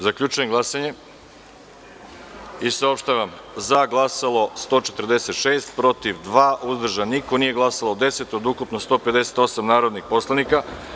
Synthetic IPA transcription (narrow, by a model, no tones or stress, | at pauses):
zakʎʲut͡ʃujemɡlˠasaɲe̞ | isao̞pʃt̪aʋamzaɡlˠasalo̞st̪o̞ːt͡ʃe̞t̪rd̪e̞se̞t̪ʃe̞ːst̪pɾo̞t̪iʋd̪ʋaːʔuzd̪r̩ʒaniko̞nije̞ɡlˠasalod̪e̞se̞t̪o̞d̪ukupnost̪o̞ːpe̞d̪e̞se̥t̪o̞samnaːɾo̞d̪nixpo̞slˠanika